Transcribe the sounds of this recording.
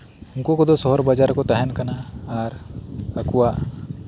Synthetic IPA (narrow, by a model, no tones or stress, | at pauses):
ʊŋkokɔd̪osɔɦɔɾbad͡ʒaɾkɔt̪aɦɛnkɐnaːɾəkuwa